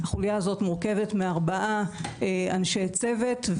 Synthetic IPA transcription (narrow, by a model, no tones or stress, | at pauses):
haχuljaazo̞tmuʁke̞vetmeaʁbaʔaeanʃejt͡se̞vetv